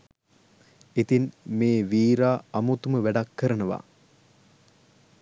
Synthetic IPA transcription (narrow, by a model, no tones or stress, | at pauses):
it̪inmeːʋiːɾaːɐmut̪uməʋæɖɐkːəɾənəʋa̰